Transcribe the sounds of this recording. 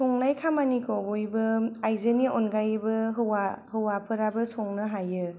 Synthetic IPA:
sɔŋlajkʰamanikʰɔbojbɯajzɯniɔnɡajbɯɦɯwahɯwapʰɯɾabɯsɔŋnɯɦajɯ

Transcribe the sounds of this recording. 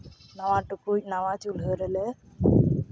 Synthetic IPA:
nawãʈukunawat͡ʃulɦəɾɛlɛ

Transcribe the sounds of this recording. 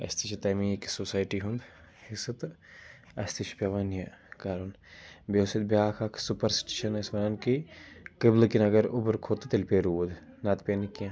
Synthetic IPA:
ɐ̰st̪ʰit͡ʃʰit̪ɐmiki̥sosaːjʈiɦund̪ | hisɐt̪ | ɐst̪it͡ʃʰpʲɐʋɐnjɐkaːɾun | bʲoːsit̪̚bjaːkʰakʰsupɐɾsʈeʃɐnɐsmɐɾɐnkikɐblkinɐɡɐɾubɾkʰoːt̪t̪ilpeɾud̪ | naːt̪pʲenikɐ̃

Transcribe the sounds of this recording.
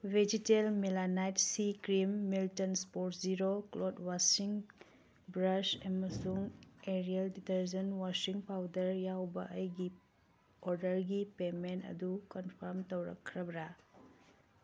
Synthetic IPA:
bed͡ʒitelmelanajtsikɾimːiltɐnspoɾtziɾoklodwasiŋ | bɾɐsɐmɐsuŋeɾialditɐɾzɐnwasiŋpawdɐɾjawbɐ̰ʔəjɡi | oɾdɐɾɡipementɐ̰dukɔnpʰɐɾmtɐwɾɐ̰kʰːɾɐbɾa

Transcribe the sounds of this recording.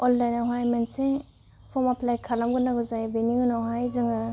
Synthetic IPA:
ɔldajnaɦajmanse | pʰɔmapʰlajkʰalamɡɯnaɡuzajbeniŋɯnawɦajzɯŋa

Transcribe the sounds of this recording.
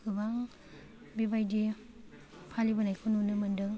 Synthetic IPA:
kɯbaŋ | bibajdi | pʰalibanajkʰɯnunɯmɯndɯŋ

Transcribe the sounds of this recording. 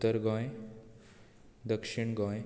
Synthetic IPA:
t̪əɾɡɔ̃j | d̪əkʂiɳɡɔ̃j

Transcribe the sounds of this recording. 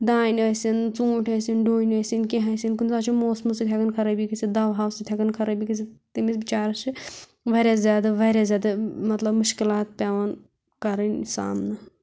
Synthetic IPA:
d̪aːinɐsint͡sũːʈʰɐsinɖoːinɐsinkeɦɐsinkunzaːt͡ʃʰimoːsmusɨt̪ʰjɐkɐnkʰɐɾɐbikɐsid̪ɐʋɦaːwsɨt̪ʰʲɐkɐnkʰɐɾɐbikɐs̬ʰit̪imisbit͡ʃaːɾɐt͡ʃʰi | ʋɐɾʲazʲjaːd̪ɐʋɐɾʲjazʲjaːd̪ɐmɐt̪lɐbmuʃkilaːt̪̚pʲaːʋɐn | kɐɾɐnsa̰ːmnɐ

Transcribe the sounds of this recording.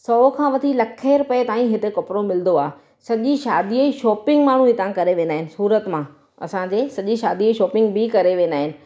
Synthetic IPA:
sɔːkʰãːʋɐt̪ʰilɐkʰːeːɾʊpəet̪aːĩɦɪt̪ekɐpɾomɪld̪oaː | sɐʄiʃaːd̪iəiʃɔːpɪ̃ŋɡmaːɳ̤ũɦɪt̪ãkɐɾeʋẽːnd̪aːɦɪnɪ̆suːɾət̪mã | ɐ̰sãd͡ʑeːsɐʄiʃa̰ːd̪iəiʃɔːpɪ̃ŋɡbɪkɐɾeʋẽːnd̪aːɦɪnɪ̆

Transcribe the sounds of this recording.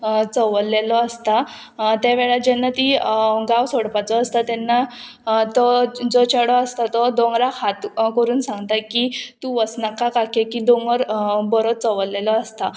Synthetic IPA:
t͡sɔʋəlːelɔəst̪a | t̪aʋɛɭad͡ʑɛnːat̪iɡawsoɽpat͡sɔəst̪at̪ɛnːa | t̪ɔd͡zɔt͡ɕəɽɔəst̪at̪ɔd̪ɔ̃ŋɡɾahʰat̪kəɾuːnsãŋɡt̪akit̪uʋəsnakakakekid̪oŋɡəɾbəɾot͡sɔʋəlːelɔəst̪a

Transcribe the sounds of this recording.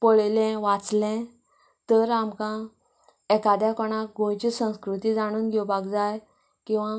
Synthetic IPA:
pɔɭlɛ̃ʋat͡slɛ̃ | t̪əɾamkã | ɛkad̪jakɔɽ̃aɡʱõjt͡ɕisə̃w̃skɾut̪iːd͡zaɽ̃uːnɡʱɔbaɡd͡zaj | kĩw̃ʋa

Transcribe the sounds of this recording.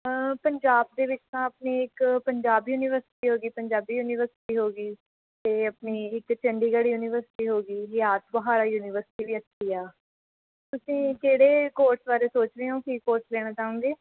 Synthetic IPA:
əpəɲd͡ʒaːb̚d̪eːʋɪt͡ʃt̪ãːəpniːɪkpəɲd͡ʒaːbjuːniːʋəɾsɪ̥ʈiːɦoːɡiːpəɲd͡ʒaːbiːjuːniːʋəɾsɪ̥ʈiːɦoːɡiː | t̪eːəpniːɪkt͡ʃəɳɖiːɡəɽiːjuːniːʋəɾsɪ̥ʈiːɦoːɡiːɦjaːt̪bəɦaːɾaːjuːniːʋəɾsɪ̥ʈiːʋiːəst̪iːaː | t̪ʊsĩːkeːɽeːkoːɾsbaːɾeːsoːt͡ʃɾeːɦõːkiːkoːɾslɛːɽ̃aːt͡ʃaːʊ̃ŋɡeː

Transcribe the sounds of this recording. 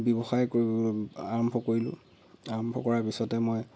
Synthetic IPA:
bɔbɔxajkoiaɹɔmbʱɔkoɹilʊ̰̃ | aɹɔmbʱɔ̰kɔɹaɹpisɔtɛmɔj

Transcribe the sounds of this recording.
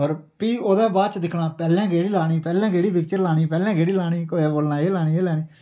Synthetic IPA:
ɔːɾ | piːoːd̪ãːbaːd̪t͡ʃd̪ɪkʰnaːpɛːlɛ̃ːɡeːɽiːlaːɽ̃iːpɛːlãːɡeːɽiːpɪk̚t͡ʃəɾlaːɳ̃iːpɛːlɛ̃ːɡeːɽiːlaːɽ̃iːkoeːboːlnãːeːlaːɽ̃iːeːlɛːniː

